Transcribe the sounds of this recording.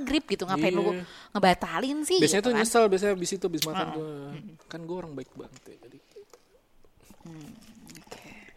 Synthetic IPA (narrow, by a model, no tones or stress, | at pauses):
ɡɾɪp̚ɡit̪uŋaaɪnlukuŋəbaat̪alɪnsɪbiaɲat̪uɲəsalbias̬ɲabisit̪ubɪsmat̪ant̪ukanɡuɛoɾaŋbaɪk̚baŋət̪jad͡ʒadi | m̩oke̥